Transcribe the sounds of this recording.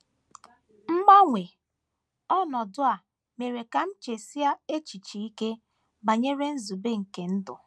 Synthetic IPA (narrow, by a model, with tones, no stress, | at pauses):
m̩˦ma˦ŋʷe˨ | ɔ˦nɔ˨dʊ˦a˨ | me˨ɾe˨ka˨m̩˦t͡ʃe˨si˦a˦e˦t͡ʃi˨t͡ʃi˨i˦ke˦ | ba˨ɲe˦ɾe˦n̩˦zu˨be˦ŋ̩˨ke˨n̩˦dʊ̰˨